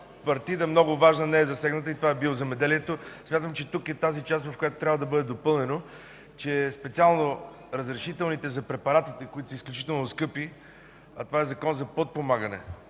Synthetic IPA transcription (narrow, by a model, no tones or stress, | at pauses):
pɐɾt̪id̪əmnɔɡʊvaʒnənɛɛzɐsɛɡnət̪əit̪ovaɛbilˠozɛmɛd̪ɛliɛt̪osmʲjat̪əmt͡ʃɛt̪ukɛt̪azit͡ʃast̪vɐfkojat̪o̥t̪ɾʲavəd̪ɐbɤd̪ɛd̪opɤlˠnɛno | t͡ʃɛspɛt̪sialˠno | ɾɐzɾɛʃit̪ɛlˠnit̪ɛzɐpɾɛpɐɾat̪it̪ɛkoit̪o̥sisklʲut͡ʃit̪ɛlˠnoskɤpi | ɐt̪ovaɛzɐkɔnzɐpot̪̚pomaɡənɛ̰